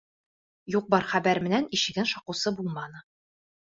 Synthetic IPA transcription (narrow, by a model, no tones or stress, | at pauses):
juq̚bɒɾχæbæɾmɘ̆næniɕɘ̆ɡɘnʃɒqɤ̆sɤbulˠmɑnɤ